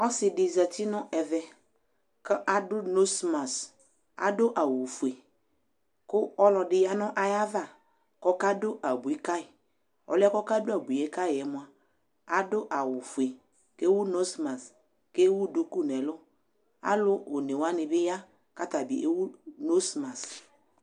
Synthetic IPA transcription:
ɔ˦sɪ˨dɪ˨zɛ˨tɪ˦nɔ˦ʔɛ˨vɛ˦ | kɔ˦ʔa˨dʊ˦no˦sma˨s | a̰˨dʊ˦ʔa˨wu˨fu˨e˨ | kʊ˦ɔ˦lɔ˨dɪ˦ja˦nɔ˦ʔa˨ja˦va˦˨ | kɔ˦ka˦dʊ˦ʔa˨bu˨i˦ka˦ɪ˨ | ɔ̰˨lɛ˦kɔ˦ka˦dʊ˦a˨bu˨e˦ka˦jɪ˨ɛ˨mʊ˨˦a˨ | a˦dʊ˦ʔa˨wʊ˨fu˨e˨ | ke˦wu˦no˦sma˨s | ke˦wu˦dʊ˦ku˦˨nɛ˨lʊ˦ | a̰˦lʊ˦o˨ne˨wa˦nɪ˨bɪ˦ja˦ | ka˦ta˨bi˨ʔe˦wu˦no˦sma˨s

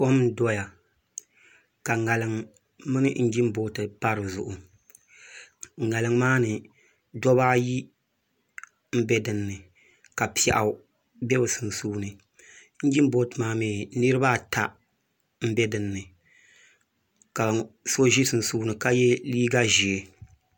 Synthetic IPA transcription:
ko˦m˦dɔ˦ja˨ | ka˨ŋa˨lɨ˨ŋ | mɨ˦nɨ˦n̩˦d͡ʒi˦m˦bo˦tɨ˨pa˦ɾɨ˨zʊ˨ʔʊ˨ | ŋa˨lɨ˨ŋmaː˦nɨ˨ | dɔ˦baː˦ji˦ | m̩˦bɛ˦dɨ˨nːɨ˨ | ka˨pi˨ɛ̰˨ʔa˨˦ | bɛ˦bɨ˨sɨ˨n˨suː˦nɨ˨ | n̩˦d͡ʒi˦m˦bo˦tɨ˨maː˦meː˨nɨ˦ɾɨ˦ba˦˨ta˦ | m̩˦bɛ˦dɨ˨nːɨ˨ | ka˨so˦ʒi˦sɨ˨n̩˨suː˦nɨ˨ka˦jɛ˦liː˦ɡa˦ʒi˨e˨

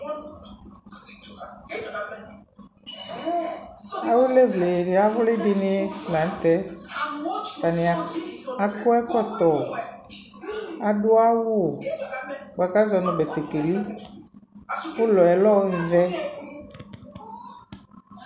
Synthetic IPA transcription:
a˨we˦le˦vle˨e˨ɖe˨a˨˦wʊ˦le˦dɪ˦nɪ˦la˨n̩˦t̪ɛ˦ | ka˨nɪ˨a˨a˨kʊ˦ɛ˦kɔ˦t̪ɔ˨ | a˨dʊ˦a˦wu˦˨ | ɡ͡ba˨ka˦zɔ˨nɔ̃˨be˨t̪e˨ke˨li˦ | pʊ˦lɔ˨ɛ˨lɔ˦wvɛ˦

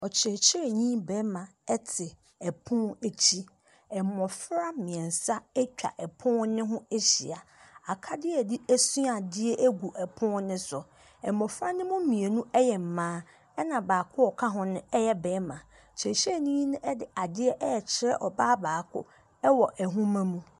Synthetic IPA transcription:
ɔ˨t͡ɕʰɾɛ˨ɕɾɛ˨ɲĩ˦bɛː˨˦mã˨ɛ˦tʰɪ˨ | ɛ˨pʰʊ̃˦e˨t͡ɕʰi˦ | ɛ˨mːɔ̃˨fɾa˦mɪ̃˨ɛ̃˨n˨sa˦ɛ˦t͡ɕᶣa̰˨ʔɛ˨pʰʊ̃˦nɪ̃˦ɦʊ̃˦e˦ɕḭ˨a˨a˨kʰa˦dɪ˦ɛ˨di˦æ˦su˦a˨dɪ˦ɛ˦ʔæ˦ɡu˨ʔɛ˨pʰʊ̃˦nɪ̃˦sʊ˨ | ɛ˨mːɔ̃˨fɾa˦nɪ̃˦mʊ̃˦mĩ˨e˨nũ˦ɛ˦jɛ˨m̩˨mãː˦ | ɛ˦nã˨baː˨kʰʊ˦ɔ˨kʰa˦ɦʊ̃˦nʊ̃˦ɛ˦jɛ˦bɛː˨˦mã˨ | t͡ɕʰɛ˨ɕɛ˦˨ɲĩː˦nʊ̃˦ʔdɪ˨a˨dɪ˦ɛ˦ʔɛ˦ɛ˨t͡ɕʰɪ˨ɾɛ˦ʔɔ˨baː˦baː˨kʰʊ̰˦ | ɛ˦wɔ˨ʔɛ˨ɦũ˦mã˦mũ˦

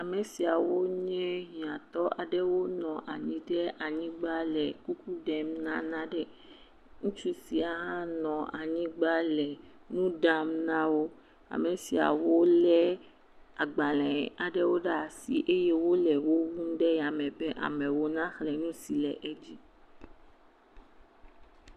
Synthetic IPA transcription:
a˨mɛ̃˨si˨a˨wo˦ɲɛ̃˦ɦĩ˨ã˨t̪ɔ˦ʔa˨ɖɛ˦wo˦nɔ̃˨ʔa˨ɲĩ˨ɖɛ˦ʔa˨ɲĩ˦ɡ͡ba˦lɛ˨ku˦ku˦ɖɛ˦m̩˦nã˦nã˦ɖɛ˦ | ŋũ˦t͡ʃu˦si˨a˨ɦã˦nɔ̃˨a̰˨ɲĩ˦ɡ͡ba˦lɛ˨ | nũ˦ɖa˦m̩˦nã˦wo˦ | a̰˨mɛ̃˨si˨a̰˨wo˦lɛ˦ | a˨ɡ͡ba˨lɛ̃˨a˨ɖɛ˦wo˦ɖa˦˨si˨ʔe˦je˦wo˦lɛ˨wo˦wu˦n̩˦ɖɛ˦ja˨mɛ̃˨bɛ˦ʔa̰˨mɛ̃˨wo˦nã˦xlɛ˨nũ˦si˨lɛ˨ʔɛ˦d͡ʒi˦

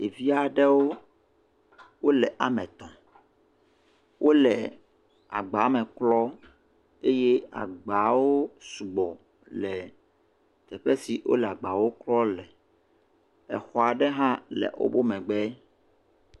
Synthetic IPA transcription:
e˨vi˦a˨ɖɛ˦wo˦ | wo˦lɛ˨ʔa̰˨mɛ̃˨t̪ɔ̃˨ | wʔo˦lɛ˨ | a̰˨ɡ͡ba˨˦mɛ̃˨klɔ˦ | e˦je˦a̰˨ɡ͡ba˨wo˦su˨ɡ͡bɔ˨ | lɛ˨ | t̪ɛ˨ɸɛ˦si˨wo̰˦lɛ˨a˨ɡ͡ba˨wo˦klɔ˦lɛ˨ | ɛ̰˨xɔ˨a˨ɖɛ˦ɦã˦lɛ̰˨wo̰˦bo˦mɛ̃˨ɡ͡bɛ˦

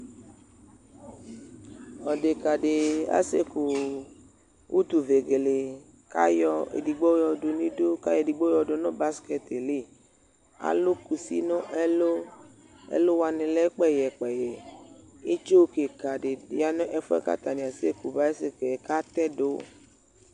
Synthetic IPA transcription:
ɔ˨de˨ka˨ɖe˨a̰˦se˦ku˨ | wʔu˦t̪u˨ve˨ɡe˨le˨ | ka̰˦jɔ˦ḛ˨di˨ɡ͡bo˦jɔ˨do˨nĩ˦do˦ka˦jɔ˨di˨ɡ͡bo˦jɔ˨do˨nɔ̃˦ba˦skɛ˦t̪e˨le˦˨ | a̰˨lo˦ku˨sḭ˦nɔ̃˦ʔɛ˦lo˦ | ḛ˦lo˦wa˨nẽ˨lɛ˦k͡pɛ˦jɛ˨k͡pɛ˨jɛ˨ | e˦t͡ʃo˦wke˨ka˨ɖe˨ja˨nɔ̃˦ʔɛ˦fɔ˦ɛ̰˦ka̰˦t̪a˨nĩ˨a˨se˦ku˨ba˦e˦se˦ke˨ka˦t̪ɛ˦do˦

